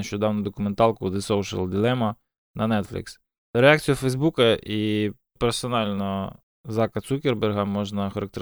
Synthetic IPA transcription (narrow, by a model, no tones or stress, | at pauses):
ɐʃt͡ʃɔd̪ɑwnʊd̪ɔkʊment̪ɑlˠkʊd̪ɪsowʃɐ̰lˠd̪ʲilˠɛmɐ | nɐnɛt̪flʲɪ̰ks | ɾeɑk̚t͡sʲijʊfɛjzbukɐʔi | peɾfsɔnɑlʲnɔ | zɑkɐt̪sukʲerberɦɐmɔʒnɐxɐɾɐkt̪e